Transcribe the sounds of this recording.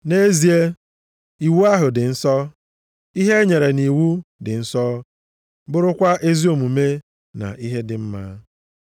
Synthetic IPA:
ne˦zi˨e˦ | i˨wu˦a˦ɦʊ˨dɪ˨n̩˦sɔ˦ | i˦ɦe˦ɲe˨ɾe˨ni˨wu˦dɪ˨n̩˦sɔ˦ | bʊ˦ɾʊ˦kʷa˦ʔe˦zi˦o˨mu˨me˦ | na̰˨ʔi˦ɦe˦dɪ˨m̩˦ma̰˦

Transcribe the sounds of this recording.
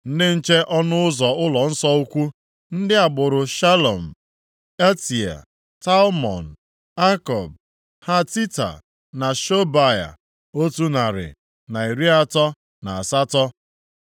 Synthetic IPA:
n̩˦dɪ˦n̩˦t͡ʃe˦ʔɔ˦nʊ˦ʊ˦zɔ˨ʊ˦lɔ˨n̩˦sɔ˦u˦kʷu˦ | n̩˦dɪ˦a˨ɡ͡bʊ˨ɾʊ˨ʃa˦lo˨m̩˨ | e˦ti˨a̰˨ | ta˦lmɔ̰˨n̩˨ | a˦kɔ˨b̚ | ha˦ti˦ta̰˨ | na˨ʃo˦ba˦˨ja̰˨ | o˦tu˦na˨ɾɪ̰˨ | na˨i˨ɾi˦a˦tɔ˦ | na˨a˨sa˦tɔ˦

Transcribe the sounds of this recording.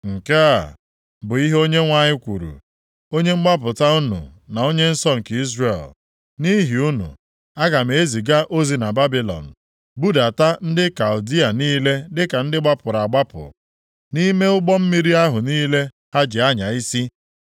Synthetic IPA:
ŋ̩˨ke˦a˨ | bʊ˨i˦ɦo˦ɲe˦ŋʷa˦ɲɪ˦kʷṵ˨ɾṵ˨ | o˦ɲe˦ŋ͡m̩˦ɡ͡ba˦p̬ʊ˨ta˦ʊ˦nṵ˨na˨o˦ɲe˦n̩˦sɔ˦ŋ̩˨ki˦zre˨l | ni˦ɦi˨u˦nṵ˨ | a˦ɡa˨m̩e˨e˦zi˨ɡa˦ʔo˦zi˨na˨ba˦bi˨lɔ̰˨n̩˨ | bu˦da˨ta˦n̩˦dɪ˦ka˨ʊ˨di˦a˨niː˦le˦dɪ˦ka˨n̩˦dɪ˦ɡ͡ba˦pʊ˨ɾa˨ɡ͡ba˦pʊ̰˨ | ni˦me˦ʊ˦ɡ͡bɔ˦m̩˦mi˦ɾi˦a˦ɦʊ˨niː˦le˦ | ha˦d͡ʒɪ˨a˦ɲa˨i˦si˦

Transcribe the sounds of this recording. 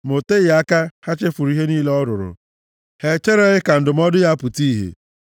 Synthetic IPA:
mo˨te˦ja˦ka˦ha˦t͡ʃe˦fʊ˨ɾi˦ɦe˦niː˦le˦ɔ˦ɾʊ˨ɾʊ̰˨ | he˨t͡ʃe˦ɾe˦ɣɪ˦ka˨n̩˨dʊ˨m̩˦ɔ˦dʊ˦ja˦pʊ˨ti˦ɦḛ˨

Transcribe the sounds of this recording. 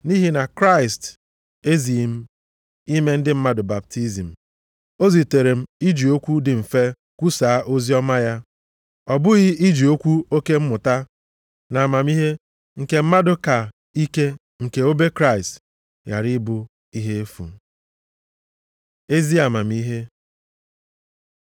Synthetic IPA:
ni˦ɦi˦na˨kɾa˦˨ɪ˨st | e˦zi˨m̩˦ | i˦me˦n̩˦dɪ˦m̩˦ma˦dʊ˨ba˨p̚ti˦zi˨m̩˨ | o˦zi˨te˨ɾe˨m̩˦i˦d͡ʒi˨o˦kʷu˦dɪ˨m̩˨fe˦ | kʷu˦saː˨˦ʔo˦zi˦ɔ˦ma˦ja˦ | ɔ˨bʊ˦ɣɪ˦i˦d͡ʒi˨o˦kʷu˦o˦ke˦m̩˦mʊ˨ta˦ | na˨a˨ma˨mi˦ɦe˦ | ŋ̩˨ke˨m̩˦ma˦dʊ˦ka˨ | i˦ke˦ | ŋ̩˨ke˨o˦be˦kɾa˦ɪ˨st | ja̰˨ɾɪ˦bʊ˦ | i˦ɦe˦e˦fṵ˨˦ | e˦zi˦a˨ma˨m̩i˦ɦe˦

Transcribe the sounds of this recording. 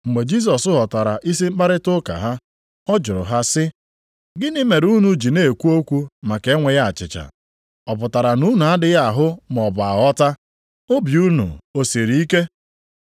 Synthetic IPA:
ŋ͡m̩˨ɡ͡be˨d͡ʒi˦s̬ɔ˨sʊ˦ɦɔ˨ta˨ɾa˨ʔi˦s̬i˦m̩˦k͡pa˦ɾɪ˦tʊ˦ka̰˨ɦa˦ | ɔ˦d͡ʒʊ˨ɾʊ̰˨ɦa˦sɪ˦ | ɡɪ˦nɪ˦me˨ɾu˦nu˨d͡ʒi˨ne˨kʷu˦o˦kʷu˦ma˨ke˨˦ŋʷe˨ja˦a˨t͡ʃɪ̰˨t͡ʃa̰˨ | ɔ˨p̬ʊ˨ta˨ɾa˨nu˦nu˨a˦dɪ˦ɣa˦˨ɦʊ˦m˨ɔ˨ba˨ɔ˦ta˦ | o˦bju˦nṵ˨o˨se˨ɾi˨˦i˦ke˦

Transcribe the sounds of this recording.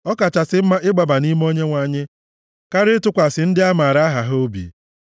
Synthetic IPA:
ɔ˦ka˨t͡ʃa˨sɪ˦m̩˦ma˦ɪ˦ɡ͡ba˨ba˨ni˦m˦o˦ɲe˦ŋʷa˨ɲɪ˦ | ka˦ɾɪ˦tʊ˦kʷa˨sɪ˨n̩˦dɪ˦a˦maː˨ɾa˦ɦa˨ɦo˦bḭ˨

